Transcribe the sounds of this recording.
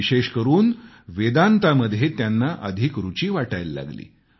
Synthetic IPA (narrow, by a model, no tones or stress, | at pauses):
iɕeɕkəɾuːn | ʋed̪ant̪aməd̪ʱjet̪janːaʔəd̪ʱikɾut͡ɕiːʋaʈajlːa̰ɡlḭː